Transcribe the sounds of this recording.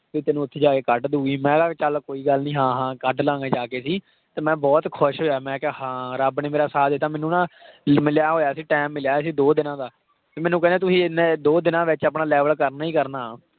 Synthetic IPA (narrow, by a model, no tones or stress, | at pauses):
piːt̪ɛːnũːʊt̪ʰːeːd͡ʒaːkeːkəʈd̪uːiːmɛ̃ːɡaːt͡ʃəlkoːiːɡəlnĩːɦãːɦãːkəʈlãːɡeːd͡ʒaːkeːsiː | t̪eːmɛ̃ːbɔːt̪kʰʊʃɦoːjaːmɛ̃ːkɛhãːɾəbneːmeːɾaːsaːd̪eːt̪aːmɛ̃ːnũnãːmɪljaːɦoːjaːsiːʈɛːmːɪljaːsiːd̪oːd̪ɪnãːd̪aː | t̪eːmɛːnũːkɛ̃ːnd̪eːt̪ʊsĩːned̪oːd̪ɪnãːʋɪt͡ʃaːpnãːlɛːʋəlkəɾnaːiːkəɾnaː